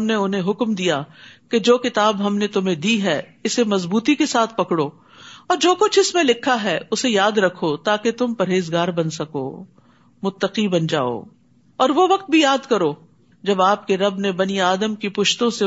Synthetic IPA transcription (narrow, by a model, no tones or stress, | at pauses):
mneʊnɦẽɦʊkmd̪ijaked͡ʒoːkɪt̪aːbɦɐmnet̪ʊmẽd̪iɦɛɪsemɐzbuːt̪ikesaːt̪ʰpɐkɽoː | ɔːɾd͡ʒoːkʊt͡ʃʰɪsmẽlɪkʰːaɦɛʊsejaːd̪ɾɐkʰːot̪aːket̪ʊmpɐɾeːzɡaːɾbɐnsɐko̰ː | mʊt̪ːəqibɐnd͡ʒa̰ːo̰ː | ɔːɾʋoʋɐq̚t̪̚bʱijaːd̪kɐɾoː | d͡ʒɐbaːp̚keɾɐbnebɐniaːd̪əmkipʊʃt̪õse